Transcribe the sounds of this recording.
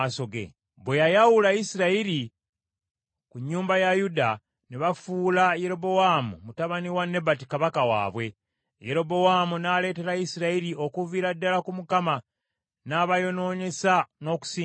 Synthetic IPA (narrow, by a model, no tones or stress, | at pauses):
so̞ɡḛ | βwe̞jajawulaisiɾaiɾi | kuɲːuːmbajajuda | neβafuːlaje̞ɾo̞βo̞waːmṵmutaβaniwanːe̞batikaβakawa̰ːβwe̞ | je̞ɾo̞bo̞waːmunaːle̞ːte̞ɾaisiɾaiɾio̞kuviːɾadːalakumukama | naːβajo̞no̞ːɲe̞sano̞ːku̥siː